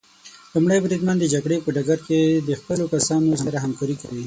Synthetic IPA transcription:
lumɽajbɾid̪mand̪əd͡ʒaɡɽepəɖaɡaɾked̪əxpəlokasɑnozaɾaɦamkɑɾikawi

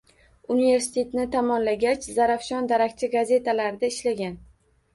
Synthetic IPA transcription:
unive̞ɾsɪ̥t̪ʰe̞t̪nɪt̪ʰamɒnlaɡʲat͡ʃzaɾafʃɒnd̪aɾakʲt͡ʃʰɪɡaze̞t̪ʰalaɾɪd̪aɪʃlaɡʲan

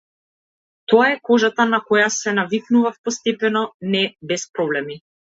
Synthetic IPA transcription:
t̪ɔaɛkɔʒat̪anakɔjasɛnaviknuvafpɔst̪ɛpɛnɔnɛbɛspɾɔblɛmi

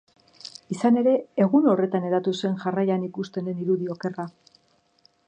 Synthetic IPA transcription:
isane̞ɾe̞ːɣuno̞re̞t̪ane̞ɾat̪use̞nʝarajanikust̪e̞neniɾuðio̞ke̞ra

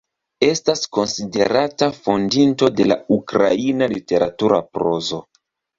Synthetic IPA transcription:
e̞stasko̞nside̞ɾatafo̞ndinto̞de̞la̰ukɾa̰inalite̞ɾatuɾa̰pɾo̞zo̞

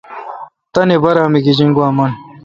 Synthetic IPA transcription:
t̪ɐnebɐɾaːmiɡid͡ʑiŋɡwaːmɐn

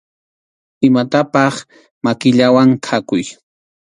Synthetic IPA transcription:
ɪmat̪apɑχ | makɪʎawaŋkʰakʊj

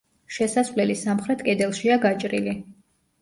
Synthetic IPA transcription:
ʃɛsasvlɛlisamχɾɛt̪ʼkʼɛd̪ɛlˠʃiaɡat͡ʃʼɾili

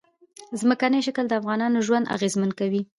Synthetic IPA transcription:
zməkanəjʃəkəld̪əafɣɑnɑnoʒwand̪a̰ɣezmankawi

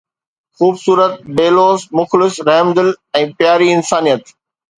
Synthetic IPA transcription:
xuːbsuːɾət̪̚beːloːzmʊxlɪsɾɛːmd̪ɪlɛ̃ːpjaːɾiɪnsaːnijət̪

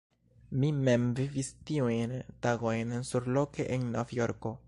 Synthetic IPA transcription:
mimemvivistiujntaɡo̞jnsuɾlo̞keʔenːovjo̞ɾko̞

